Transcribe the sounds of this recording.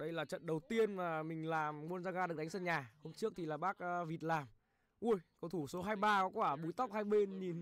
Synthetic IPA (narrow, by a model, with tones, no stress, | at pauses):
ɗə˧jlaː˨˩t͡ɕə̰˧˨nɗə˨˩wt̪i˧ənmaː˨˩mï˨˩ŋ̟laː˨˩mmu˧ənzaː˧ɣaː˧ɗk̚ɗa˨˦ŋsə˧˩nɲaː˨˩ho˧mt͡ɕɨ˦˥ək̚t̪ʰi˨˩laː˨˩ɓaː˦˥k̚ʔːvi˨˩ət̚laː˨˩m | ʔu˧jkɔ˨˦t̪ʰu˧˩so˨˦ɦaː˧jɓaː˧kɔ˨˦kwaː˧˩ɓu˨˦jt̪a˦˥wk͡p̚haː˧jɓe˧nɲi˨˩n